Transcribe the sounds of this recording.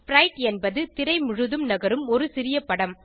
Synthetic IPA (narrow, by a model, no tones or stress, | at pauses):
fɾɐɪʈɛnbɐðɯt̪ɪɾɐɪmʊɻɯðɯmnɐɣɐɾɯmɔɾɯsɪɾɪjɐpɐɽɐm